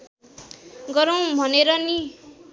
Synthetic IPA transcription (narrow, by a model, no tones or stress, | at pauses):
ɡʌɾʌw̃bʱʌneɾʌni